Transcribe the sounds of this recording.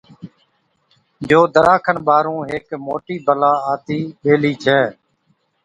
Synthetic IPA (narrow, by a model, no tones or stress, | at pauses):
d͡ʒoːd̪əɾʔaːkʰənɓaːɾũːɦeːkmoːʈiːbəlaːaːt̪iːɓeːliːt͡ʃʰɛː